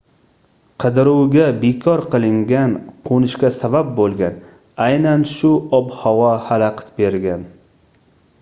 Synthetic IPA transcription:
qʰɨd̪ɪɾuwɡʲabekʰɒɾqɨlˠɪŋɡʲanqʰonɪʃkʲasabab̚bolˠɡʲan | ajnanʃʊɒbhɒwɒhalaqʰt̪be̞ɾɡʲan

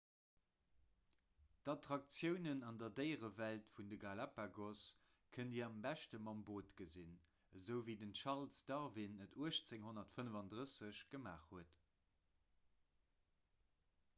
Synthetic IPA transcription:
d̥ɑtʁɑk̚t͡sjəʊnənɑndɐdəɪʁəvæltfundəɡalapaɡos | kʰəndiːɐɑmbæʃtəmɑmboːtɡəzin | əzəʊviːdənʃɑʁlsd̥ɑʁvinːətʰuəʃt͡seŋɦonɐtfənəvɑndʁəsəɕɡ̥əma̰ːχhuət

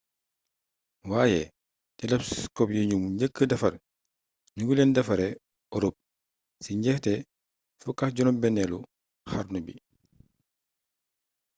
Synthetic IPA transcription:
waːjɛ | tɛlɐpskɔp̚jiɲumuɲɟəkːədɐfɐr | ɲuɡulɛndɐfɐɾɛ | ɔɾup̚ | siɲɟɛhtɛ | fukaxɟɔnɔbɛnːɛlu | xɐɾnubḭ

